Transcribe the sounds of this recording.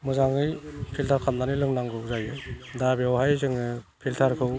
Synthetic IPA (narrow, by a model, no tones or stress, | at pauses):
mɯzaŋɯjpʰiltʰaɾkʰannanilɯŋnaŋɡɯwzajɯdabeawɦajzɯŋɯpʰiltʰaɾkʰɯw